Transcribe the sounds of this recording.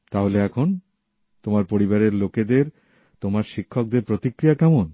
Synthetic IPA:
t̪aɦoleɛkʰon | t̪omaɾpoɾibaɾeɾloked̪eɾ | t̪omaɾʃikʰːok̚d̪eɾpɾot̪ikɾijakɛmon

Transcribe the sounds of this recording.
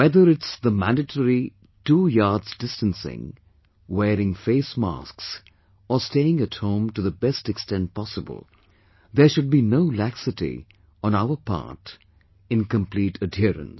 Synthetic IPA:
wɛðəɾɪtsðəmæ̃ndɨʈʰəɾi | tuːjɑːdzdɪstə̃nsɪ̰̃ŋ | wɛːɾɪ̃ŋfeɪsmɑ̰sks | əsteɪɪ̃ŋɨthõʊ̃mʈuðəbɛstɛkstɛ̃nt̚pɑsəbə̰l̩ˠ | ðəʃʊd̚binoʊlæksɨtḭ | ə̃naʊə˞pʰɑ̰ːɹt | ɪ̃nkə̃mpliːtʰədɪəɾə̰̃ns

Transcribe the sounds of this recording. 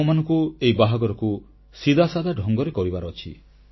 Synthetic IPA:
manɔŋkuejbaɦaɡɔɾɔku | sid̪asad̪ʱaɖʱɔŋɡɔɾekɔɾibaɾɔt͡ʃʰḭ

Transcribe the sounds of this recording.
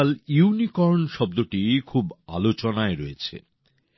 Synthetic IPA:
ljunikɔɾnʃɔb̚d̪oʈikʰuba̰lot͡ɕonaeɾoet͡ɕʰḛ

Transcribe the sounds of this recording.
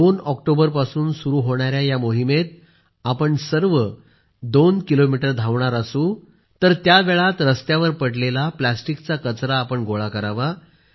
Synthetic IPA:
d̪onɔkʈobəɾpasuːnsuɾuːɦoɽ̃aɾjajamoɦimet̪̚ | apəɳsəɾʋə | d̪onkilomiʈəɾd̪ʱaʋɳ̃aɾasuː | t̪əɾt̪jaʋeɭat̪ɾəst̪jaʋəɾpəɽlelaplasʈikt͡sakət͡sɾaːpəɳɡoɭakəɾaʋa

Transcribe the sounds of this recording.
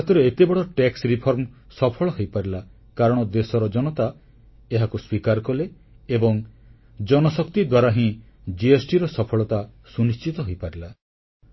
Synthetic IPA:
at̪ɔɾeet̪ebɔɽɭɔʈeksɾipʰɔɾmsɔpʰɔɭɔɦojpaɾila | kaɾɔɽ̃ɔd̪esɔɾɔd͡ʒɔnɔt̪a | eɦakuswikaɾkɔle | ebɔŋ | d͡ʒɔnɔsɔkt̪id̪waɾaɦĩ | d͡ʒiesʈiɾɔsɔpʰɔɭɔt̪a | sunist͡ʃit̪ɔɦojpaɾila

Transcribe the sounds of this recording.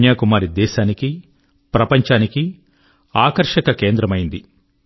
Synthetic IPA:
njaːkumaːɾid̪ɛːʃaːniki | pɾɐpɐɲt͡ʃaːniki | aːkɐɾʂɐkɐkeːnd̪ɾɐmɐjind̪i

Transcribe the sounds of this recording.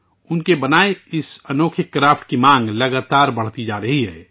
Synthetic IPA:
ʊnkebɐnaːeɪsɐnoːkʰɪkːɾaːfʈkimãːŋɡlɐɡaːt̪aːɾbɐɽ̤t̪id͡ʒaːɾɐɦiɦɛː

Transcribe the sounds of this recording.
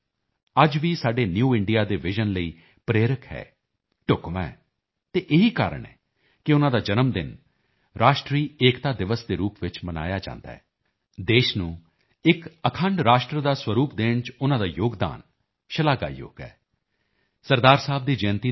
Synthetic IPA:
əd͡ʒʋiːsaːɖeːnjuːɪɳɖijaːd̪eːʋɪʒənləiː | pɾeːɾəkɦɛ̰ː | ʈʊkʋaɛ | t̪eːʔɪɦiːka̰ːɾə̰ɳɛ̰ː | kɪʊnãːd̪aːd͡ʒənəmd̪ɪ̰n | ɾaːʃʈɾiːeːkt̪aːd̪ɪʋəsd̪eːɾuːpʋɪt͡ʃməna̰ːjaːd͡ʒã̰ːnd̪a̰ːɦɛː | d̪eːʃnũː | ɪkəkʰəɳɖɾaːʃʈɾəd̪aːswəɾuːpd̪eːɳt͡ʃʊnãːd̪aːjoːɡd̪a̰ːn | ʃəlaːɡa̰ːjo̰ːɡɛ̰ː | səɾd̪aːɾsaːb̚d̪iːd͡ʒəːnt̪iː

